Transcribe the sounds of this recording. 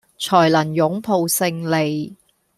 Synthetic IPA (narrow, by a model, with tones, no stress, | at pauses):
t͡ʃʰɔː˨˩jlɐ˨˩njʊ˨˥ŋpʰo˨˧wsɪ˧ŋle˨j